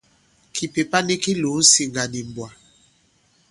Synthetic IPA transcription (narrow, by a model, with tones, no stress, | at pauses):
kʰi˨pe˨pa˦ni˦ki˦lo˨˦n̩˦si˨ŋɡa˨ni˨mbwa˨